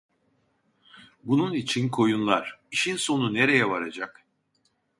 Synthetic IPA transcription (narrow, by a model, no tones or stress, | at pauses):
bununit͡ʃʰinkʰo̞junlˠaɾ̥iʃinso̞nune̞ɾejɛvaɾad͡ʒak